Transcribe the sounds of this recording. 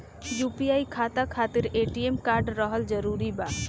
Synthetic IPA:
jupiaːikʰaːt̪akʰaːt̪iɾeːʈiemkaːɾɖɾəɦəld͡ʒəɾuɾiba

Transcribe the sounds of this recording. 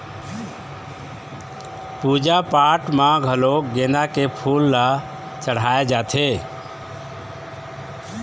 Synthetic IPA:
pud͡ʒapaʈmãɡʱəloɡenakepʰulːa | t͡ʃəɽ̤aed͡ʒat̪ʰe

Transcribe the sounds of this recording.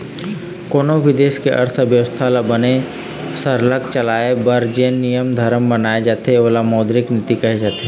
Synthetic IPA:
koːnoʋɪd̪eːʃkeʔɐ̰ɾt̪ʰbjəʋəst̪ʰalabɐne | səɾlək̚t͡ʃɐlaːebɐɾd͡ʒeːnːijəmd̪ʱəɾmbɐnaːed͡ʒaːt̪eoːlamɔːd̪ɾɪknɪt̪ikɐɦed͡ʒaːt̪ee

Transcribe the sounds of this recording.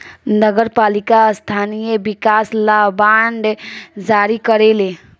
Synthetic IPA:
nəɡəɾpalikast̪ʰanijebikaslabaɳɖd͡ʒaɾikəɾele

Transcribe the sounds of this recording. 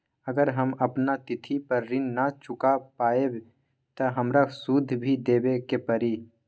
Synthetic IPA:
əɡəɾɦəmɐpnat̪ɪt̪ʰipəɾːɪnːat͡ʃʊkapaːeb | t̪ɐɦɐmɾasud̪ʱːbʱid̪eːbekepɐɾi

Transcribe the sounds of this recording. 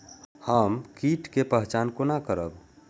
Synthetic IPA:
həmkiʈkepəɦt͡ʃankonakəɾəb

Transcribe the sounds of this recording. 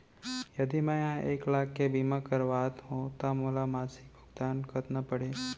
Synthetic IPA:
jɐd̪iməjãeːklaːkːebimãkəɾʋaːt̪ɦõt̪amoːlamaːsɪk̚bʱʊɡd̪aːnkət̪napəɽeː

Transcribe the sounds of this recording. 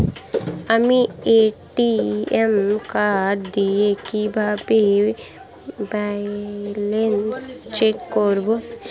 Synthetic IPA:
amieʈiemkaɾd̪iekibʱabe | ba | lenst͡ʃekkoɾbo

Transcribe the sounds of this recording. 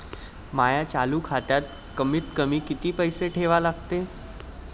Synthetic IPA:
majat͡saluːkʰat̪jat̪̚ | kəmiːt̪kəmiːkit̪iːpəjseʈʰeʋalaɡt̪e

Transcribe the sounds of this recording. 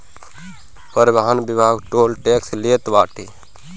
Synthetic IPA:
pəɾbaɦanbibʱaːɡʈoːlʈeːkslet̪ʋaːʈi

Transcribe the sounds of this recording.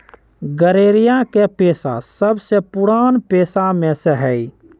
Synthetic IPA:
ɡəɾeːɾijãkepesa̰səbsepuɽaːnpeːsameseɦəi

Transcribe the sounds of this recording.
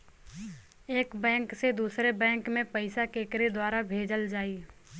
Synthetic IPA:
eːkbɛ̃ːŋksed̪uːsɾebɛ̃ːŋkmẽpɐɪsakeːkɾed̪waːɾabʱeːd͡ʒəld͡ʒaːiː

